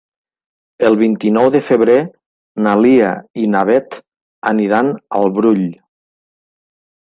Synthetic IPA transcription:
əlˠβint̪inɔwðəfəβɾe | nalia̰inaβɛt̪ | əniɾanə̰lˠβɾuʎ

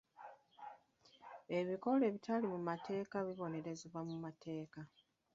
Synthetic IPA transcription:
e̞βiko̞le̞ːβitalimumate̞ːkaβiβo̞ne̞ɾe̞zeβwamumatʰe̞ːka

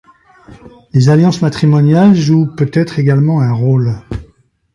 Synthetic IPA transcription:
lezaljɑ̃smat̪χimɔnjalʒupøt̪ɛt̪χeɡalmɑ̃ɛ̃ʁol

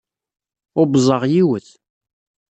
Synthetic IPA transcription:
ʊbzˤɑʁjiwəθ

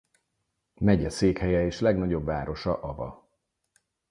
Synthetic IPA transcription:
mɛɟɛseːkhɛjɛeːʃlɛɡnɒɟo̞bvaːɾo̞ʃɒʔɒvɒ̰

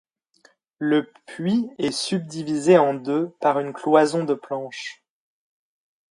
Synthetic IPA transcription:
ləpɥiɛsyb̚d̪ivizeɑ̃d̪øpaʁynklwazɔ̃d̪əplɑ̃ʃ

